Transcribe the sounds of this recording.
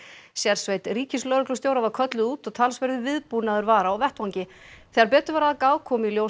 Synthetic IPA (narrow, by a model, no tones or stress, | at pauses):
sjɛɾsvejt̪riːcʰɪslœːɾʏklʏst̪jowɾavaɾ̥kʰœt̪lʏðuːt̪ɔɣt̪ʰalsvɛɾðʏvɪðpunaðʏɾvaːɾaɔvɛht̪vawɲcɪθɛɣaɾpɛːt̪ʏvaɾaðakaːwkʰɔːmiljow